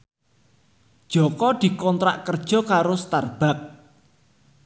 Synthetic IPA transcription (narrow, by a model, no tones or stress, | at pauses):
d̥ʒ̥ɔkɔd̪̥i̤kɔnt̪ɾa̰ʔkərd̥ʒ̥ɔ̤kaɾost̪arb̥a̤k̚